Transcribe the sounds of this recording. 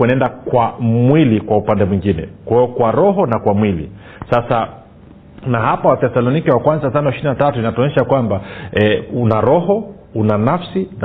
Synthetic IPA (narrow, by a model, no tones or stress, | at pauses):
ɛnɛndakwamwilikwaupandɛmwiŋɡinɛ̰kwaɛjɔkwaɾɔɦɔnakwamwilḭ | sasa | nahapawaθɛsalɔnikiwakwanzatanɔɛʃiɾinatatuinatɔnɛʃakwambaɛunaɾɔhɔ | unanafsin